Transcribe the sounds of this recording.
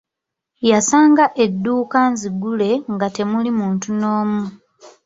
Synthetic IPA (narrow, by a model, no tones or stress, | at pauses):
jasaːŋɡaʔe̞dːuːkanziɡule̞ŋɡate̞mulimuːntunoːmu